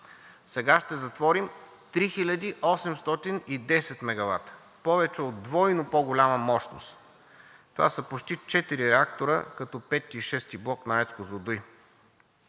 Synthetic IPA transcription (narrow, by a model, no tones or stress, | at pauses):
sɛɡaʃt̪ɛzɐt̪vɔɾim | t̪ɾixilʲəd̪iʔɔsɛmst̪ɔt̪inid̪ɛsɛt̪mɛɡɐva̰t̪ | pɔvɛt͡ʃɛod̪d̪vɔjnopɔɡolʲaməmɔʃt̪no̰st̪ | t̪ova̰səpot͡ʃt̪it͡ʃɛt̪iɾiɾɛak̚t̪oɾə̰kɐt̪ɔpɛt̪ːiːʃɛst̪iblˠɔknaɛt̪skozod̪uj